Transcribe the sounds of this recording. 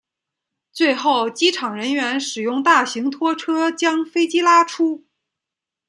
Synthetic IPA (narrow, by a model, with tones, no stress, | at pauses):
t͡swe˥˧ɪxo˥˩ʊt͡ɕi˥ʈ͡ʂʰɑ˨˩ŋɻə˧˥nɥɛ˧˥nʂɻ̩˨˩jʊ˥˧ŋt̪a˥˩ɕi˧˥ŋt̪ʰwɔ˥ʈ͡ʂʰɤ˥t͡ɕjɑ˥ŋfe˥ɪt͡ɕi˥la˥ʈ͡ʂʰu˥